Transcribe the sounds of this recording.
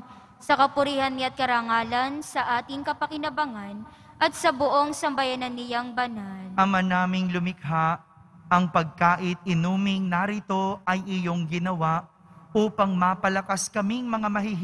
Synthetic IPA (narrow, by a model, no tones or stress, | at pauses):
sɐkɐpʊɾiːhɐnːɪɐt̪̚kɐɾaŋaːlɐnsɐʔaːt̪ɪŋkɐpɐkɪnɐbɐŋan | ʔɐt̪̚sɐbʊʔo̞ŋsɐmbɐjanɐnːɪjaŋbɐnalɐmɐnaːmɪŋlʊmɪk̚ɦaʔ | ɐŋpɐɡ̚kaːʔɪt̪̚ʔɪnuːmɪŋnɐɾɪt̪o̞ʔɐjʔɪjo̞ŋɡɪnɐwaʔ | uːpɐŋmapɐlɐkaskɐmɪŋmɐŋamɐhiɦ